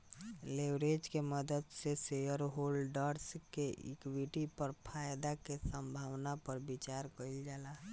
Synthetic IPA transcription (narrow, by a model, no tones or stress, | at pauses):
lewɾed͡ʒkeməd̪əd̪sesejəɾɦoːlɖaɾskeʔɪ̰kwiʈipəɾpʰaːjd̪akesə̃mbʱaːwnapəɾbit͡ʃaːɾkəild͡ʒaːla